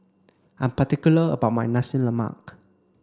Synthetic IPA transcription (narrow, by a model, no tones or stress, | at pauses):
ʔãnpatikjuləə̰baʊt̚majnasə̃nləma̰k